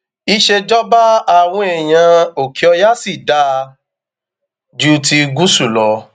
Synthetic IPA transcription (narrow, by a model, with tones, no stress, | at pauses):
i˧ʃe˧d͡ʒɔ˦ba˦a˦˨w̃ɔ̃˧ɛ˨j̃ã˧o˨kʰi˨ɔ˧ja˦si˦˨da˧˦ | d͡ʒu˦ti˧ɡu˦su˦˨lɔ˧